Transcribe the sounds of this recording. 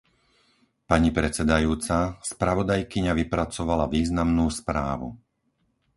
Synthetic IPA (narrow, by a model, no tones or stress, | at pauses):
paɲipɾɛt͡sɛd̪ajuːt͡saspɾaʋɔd̪ajkiɲaʋipɾat͡sɔʋalaʋiːznamnuːspɾa̰ːʋṵ